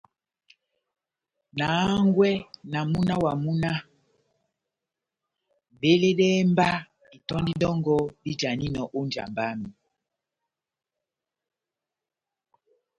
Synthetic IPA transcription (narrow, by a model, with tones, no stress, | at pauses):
na˨˦ŋɡwɛ˦na˨mu˦na˦wa˨mu˦na˦ | ve˦le˦ɗɛː˦mba˦ | i˨tɔ˦ndi˦dɔ˦ŋɡɔ˦bi˦d͡ʒa˨ni˦nɔ˨ʔo˦nd͡ʒa̰˨mba˦mi˨